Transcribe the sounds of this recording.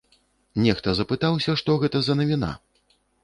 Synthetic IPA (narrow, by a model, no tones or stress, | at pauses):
nʲɛxt̪ɐzɐpɨt̪awsʲɐʂt̪ɔɣɛt̪ɐzɐnɐvʲina̰